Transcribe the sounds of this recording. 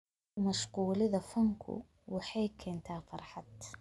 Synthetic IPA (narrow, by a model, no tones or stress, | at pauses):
maʃquːlɪðafaŋkʰṵ | wɪħeːkʰːent̪aːfɑɾˤħat̪